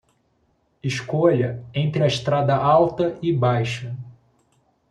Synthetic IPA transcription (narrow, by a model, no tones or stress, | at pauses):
ɪʃkoʎɐẽnt̪ɾɪɐɪʃt̪ɾad̪ɐʔawt̪ɐɪbajʃɐ